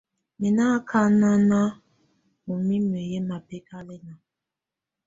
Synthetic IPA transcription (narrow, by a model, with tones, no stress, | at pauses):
mɛ˨na˦kʰa˦na˦na˦ | mo˨mi˦me˨je˦ma˨pe˦ka˦lɛ˦na˨